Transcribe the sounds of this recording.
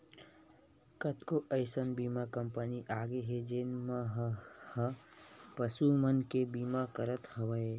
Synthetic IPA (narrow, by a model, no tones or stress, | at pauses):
kɐt̪koʔɐjsənbiːmakɐmpəniʔaːɡeɦed͡ʒeːnmaɦhɐpɐsumɐnkebiːmakɐɾət̪hɐʋəe